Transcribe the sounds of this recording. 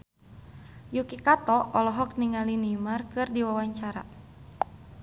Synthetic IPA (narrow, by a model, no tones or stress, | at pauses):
jukikat̪ɔɔlɔɦɔk̚niŋalinimarkɨrdiwawaɲt͡ʃaɾa̰